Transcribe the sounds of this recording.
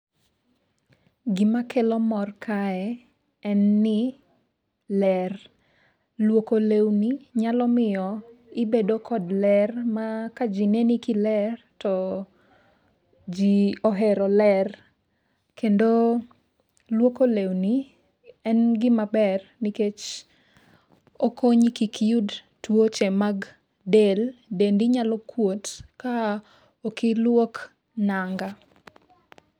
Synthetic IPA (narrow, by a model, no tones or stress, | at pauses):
ɡɪmakʰelɔmɔrkʰaɛ | ɛnːɪ | lɛr | lwokolewniɲalɔmɪjɔ | ɪbedokʰɔdlɛrmakad͡ʒinenikilɛr | tɔ | d͡ʒiɔɦɛɾɔlɛr | kendo | lwokolewni | ɛnɡɪmabɛrniket͡ʃ | okoɲikikʰiud | twot͡ʃɛmaɡ | deldendiɲalɔkwotka | okɪlwok | naŋɡa